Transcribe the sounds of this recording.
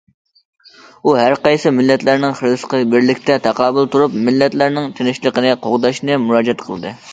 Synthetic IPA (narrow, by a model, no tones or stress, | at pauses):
uɦæɾqɑjsɨmɪlːɛt̪læɾnɪŋχəɾd̪ɨsqəbɪɾlɪkʲt̪ʰɛt̪ʰɑqʰɑːbɨlˠt̪uɾupmɪlːɛt̪læɾnɪŋt̪ʰɪnɪʃlˠəqənɨqʰoʁd̪ɑʃnɨmuɾɑːd͡ʒɛt̪qʰəlˠɨd̪ɨ